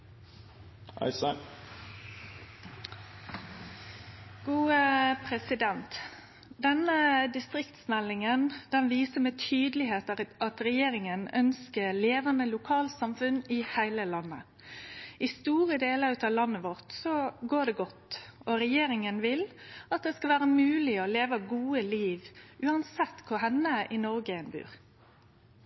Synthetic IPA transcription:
ʔɑ̰ɪsə | ɡ̥uːəpʰʁɛsɪd̪ɛnt̪ | d̪ɛnəd̪ɪst̪ɾɪkt̪smɛlːɪŋənd̪̥ɛnʋiːsəmeːt̪ʰyːd̪lɪɦeːt̪ɑt̪ɾɛjeːɾɪŋənœnskəleːʋənəlʊkʰɑːlsɑmfʉnɪhæɪləlɑnːə̰ | ɪst̪uːɾəd̪eːləɾʉt̪ɑʋlɑnːəʋɔʁt̪sɔɡoːɖ̪ɛɡɔt̪ɔɾɛjeːɾɪŋənʋɪlɑt̪̚d̪ɛskɑlʋæːɾəmʉːlɪɔleːʋəɡuːəliːʋʔʉːɑnsɛt̪ːkʰʊɾɦɛnːəʔɪnɔɾɡəɛnbʉ̰ːʁ

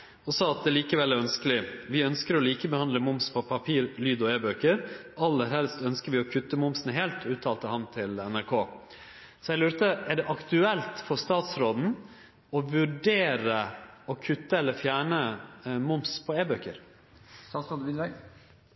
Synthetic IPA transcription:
ɔsɑːɑt̪̚d̪ɛliːkəʋɛlːæɾœnskəlɪʋɪœnskəɾɔliːkəbəhɑnd̪ləmʊmspʰɔpʰɑpʰiːɾlyːd̪ɔeːbøːkəɾʔɑlːəɾhɛlst̪œnskəɾʋɪɔkʰʉt̪ːəmʊmsn̩ɦeːlt̪ʰʉːt̪ʰɑːlt̪əhɑmt̪ʰɪlɛnæɾkʰoː | sɔjæɡlʉːɾt̪əʔæɖɛʔɑkt̪ʉɛlt̪fɔɾst̪ɑːt̪sɾoːd̪n̩ | ɔʋʉɖeːɾəɔkʰʉt̪ːəɛlːəfjæːɳəmʊmspʰɔeːbøːkəɾ | t̪ɑːsɾoːd̪ʋɪʋæ

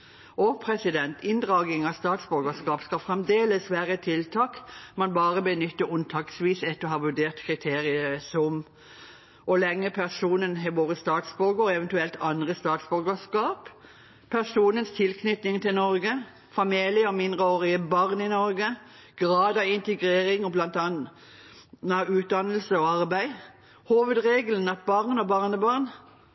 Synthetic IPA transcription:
ɔpʰʁɛsɪd̪ɛnt̪ɪnd̪ʁɑːɡɪŋɑst̪ɑːt̪sbɔɾɡəskɑːpskɑfʁɛmd̪eːləsʋæːʁət̪ʰɪlt̪ʰɑːkmɑnbɑːʁəbənʏt̪ːəʊnt̪ʰɑːksʋiːsɛt̪ːəɔhɑːʋʉɖeːʁt̪kʰʁɪt̪ʰeːʁɪəsɔm | ʔɔlɛŋːəpʰæʁsuːnənɦɛʋoːʁəst̪ɑːt̪sbɔɡəɛʋɛnt̪ʉɛlt̪ʰɑnd̪ʁəst̪ɑːt̪sbɔɾɡəskɑːp | pʰæʁsuːnənst̪ʰɪlkʰnʏt̪nɪŋt̪ɪlnɔʁɡə | fɑmiːlɪəɔmɪnd̪ʁəoːɾɪəbɑʁnɪnɔɾɡə | ɡ̥ʁɑːd̪ɑʋɪnt̪əɡɾeːɾɪŋɔblɑnt̪ɑn | nəʉːt̪̚d̪ɑnːəlsəɔɑʁbæɪ | huːʋəd̪ʁeːɡələn̩ɑt̪̚bɑʁnɔbɑʁnəbɑʁn

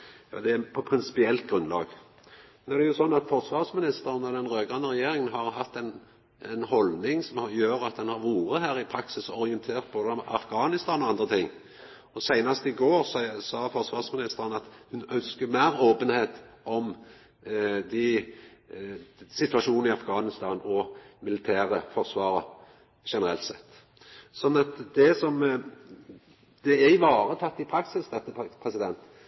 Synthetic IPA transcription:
jɑ̰ːd̪ɛpʰɔpʰɾɪnsɪ̥pɪɛlt̪̚ɡɾʉnlɑ̰ːɡ | mɛnæʁd̪ɛjʊsɔnːɑt̪fɔɾsʋɑːʁsmɪnɪst̪əɾənɔd̪ɛnʁøːɡʁɑnːəɾɛjeːɾɪŋənɦɑɾhɑt̪ːɛn | ɛnhɔlnɪŋsɔmhɑjøːɾɑt̪̚d̪ɛnhɑɾʋuːɾəhæːɾɪpʰɾɑksɪsɔɾɪənt̪ʰeːʁt̪̚boːd̪əɑ̰fɡɑːnɪst̪ɑːnɔɑnd̪ʁət̪ʰɪŋː | ɔsæɪnɑst̪ɪɡoːɾssɑːfɔʁsʋɑːʁsmɪnɪst̪əɾənɑt̪hʉnœnskəmæːɾoːpənheːt̪ʔɔm | d̪ɪ | sɪt̪ʋɑʂuːnn̩ɪɑfɡɑːnɪst̪ɑːnɔmɪlɪt̪ʰæːʁəfɔʁsʋɑːʁə | ʃɛnəɾɛlt̪sɛt̪ː | sɔnːɑt̪d̪ɛsɔm | d̪̥ɛæɪʋɑːɾət̪ʰɑt̪ːɪpʰɾɑksɪsd̪ɛt̪ːəpʰʁɛsɪd̪ɛnt̪

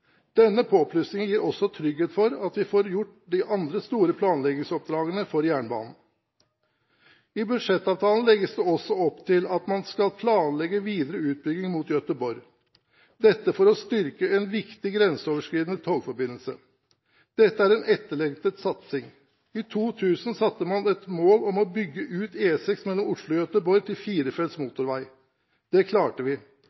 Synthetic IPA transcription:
d̪̥ɛnːəpʰoːpʰlʉsnɪŋjiːɾɔsːɔt̪ʰɾʏɡheːt̪fɔɾɑt̪ʋɪfoːɾjʊʈːd̪ɪʔɑnd̪ɾəst̪uːɾəpʰlɑːnlɛɡɪŋsɔp̚d̪ɾɑːɡənəfɔɾjæːɳbɑ̰ːnn̩ | ɪbʉd̪ʂɛt̪ːɑːʋt̪ʰɑːln̩lɛɡːəsd̪ɛɔsːɔɔpt̪ʰɪlɑt̪mɑnskɑlpʰlɑːnlɛɡəʋiːd̪əɾəʉːt̪̚bʏɡɪŋmuːt̪jœt̪əbɔɾ | d̪ɛt̪ːəfɔɾɔst̪ʏɾkəɛnʋɪkt̪ɪɡɾɛnsəoːʋəʂkɾiːd̪ənət̪ʰoːɡfɔɾbɪnəl̩sə | d̪̥ɛt̪ːəæɾɛnʔɛt̪ːəɭɛŋt̪ət̪sɑt̪sɪŋ | ɪt̪ʰuːt̪ʰʉːsn̩sɑt̪ːəmɑnɛt̪moːlɔmɔbʏɡːəʔʉːt̪eːsɛksmɛlːɔmʊʂlʊɔjœt̪əbɔɾt̪ʰɪlfiːɾəfɛlsmuːt̪ʊɾʋæɪ | d̪̥ɛkʰlɑːʈəʋɪ

